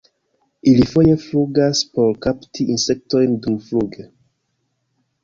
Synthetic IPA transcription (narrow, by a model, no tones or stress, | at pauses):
ʔilifojefluɡaspoɾkaptʰiʔinsek̚tojndufluɡe